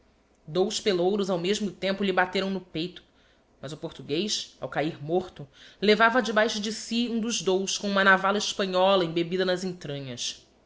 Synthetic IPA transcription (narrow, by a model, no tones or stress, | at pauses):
d̪owspelowɾʊzawmeʒmʊt̪ẽmpʊʎɪbat̪eɾɐ̃w̃nʊpejt̪ʊ̥ | mɐzʊpoɾt̪uɡejʃa̰wkaiɾmoɾt̪ʊlevavɐd͡ʒɪbajʃʊd͡ʒɪsiũd̪ʊzd̪owskõũmɐnavalɐɪʃpɐ̃ɲɔlɐẽj̃bebid̪ɐnɐzẽnt̪ɾɐ̃ɲɐs